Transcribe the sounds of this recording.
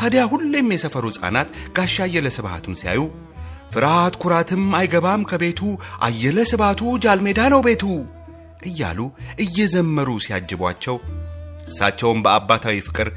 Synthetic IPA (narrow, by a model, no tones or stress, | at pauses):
t̪ʰad̪jaɦulːemːjɛsəfəɾusʼa̰nat̪ɡaʃːajːɛləsɨβha̰t̪ʰunsija̰ju | fɨɾat̪kʰʊɾat̪ʰɨmajɡəβamkʰəbe̞t̪ʰuʔa̰jːɛləsɨβat̪ʰud͡ʒalme̞d̪anəwbe̞t̪ʰu | ʔɨjːa̰luʔɨjːɛzəmːəɾusijad͡ʒːɨbwa̰t͡ʃːɛwɨsːa̰t͡ʃːɛwmbəabːat̪ʰawifɨ̥kʼɨɾ